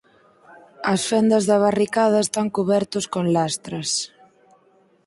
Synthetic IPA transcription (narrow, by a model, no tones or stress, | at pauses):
ɐsfɛnd̪ɐzðɐβarikað̞ɐest̪aŋkuβɛɾt̪ʊskonlast̪ɾɐs